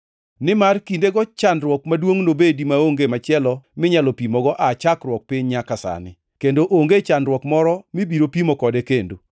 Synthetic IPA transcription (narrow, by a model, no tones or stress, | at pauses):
nɪmarkindeɡɔt͡ʃanrwɔkmadwoŋnobedimaoŋɡemat͡ʃɪɛlɔmɪɲalɔpimɔɡɔʔat͡ʃakrwɔk̚pɪɲɲakasa̰nɪ | kendoʔoŋɡet͡ʃanɾwɔkmɔɾɔmibiɾopimokɔdekendo